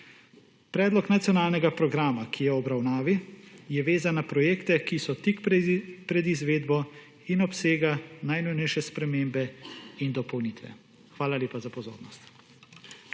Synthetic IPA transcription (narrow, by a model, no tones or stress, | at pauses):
pɾɛːd̪lɔknat̪sjɔnaːlnɛɡapɾɔɡɾaːmakʰijɛɔbɾawnaːʋijɛʋeːzanːapɾɔjeːkt̪ɛkisɔt̪ikppɾɛd̪izʋeːd̪bɔ | inɔpseːɡanajnujnɛjʃɛspɾɛmeːmbɛind̪ɔpɔwniːt̪ʋɛ̰ | xʋaːlalʲeːpazapɔzo̰ːɾnɔst̪